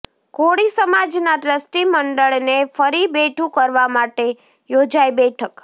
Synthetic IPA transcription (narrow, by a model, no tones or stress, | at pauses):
koɽisəmad͡ʒnaʈɾəsʈiməɳɖəɭnefəɾibeʈʰũkəɾʋamaʈe | jod͡ʒajbɛʈʰək